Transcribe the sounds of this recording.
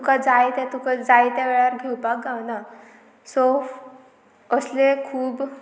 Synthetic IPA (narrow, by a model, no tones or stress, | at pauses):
t̪ukad͡zajt̪ɛt̪ukad͡zajt̪ɛʋeɭaɾɡʱewpak̚ɡawna | sof | əslekʰuːb